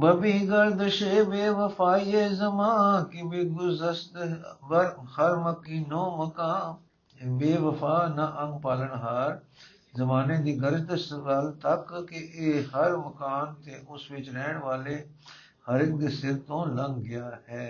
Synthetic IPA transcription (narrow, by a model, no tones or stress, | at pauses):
bɐbiːɡɐld̪əʃeːʋeːʋəfaːjezɐmaːkɪʋeɡʊzəst̪bɐɾhɐɾməkiːnõːməkaː | beːʋəfaːnaʔɐ̃ŋɡpaːləɳɦaːɾ | zɐmaːned̪iːɡəɾd͡ʒd̪əsʋɐlt̪ɐkkːeʔehɐɾməkaːnt̪ʰeːʔʊsʋɪt͡ʃɾɛːɽ̃ʋaːle | hɐɾɪk̚d̪eːsɪɾt̪õːlɐ̃ŋɡɡɪjaːɦɛː